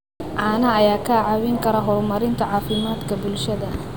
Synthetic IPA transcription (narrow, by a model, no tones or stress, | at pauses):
ʕɑːnɐːjaːkʰɐʕɑwɪŋkʰɐɾɐɦɔrmɐɾɪnt̪ʰɐʕɑːfɪmaːd̪kʰɐbʊlʃɐðɐ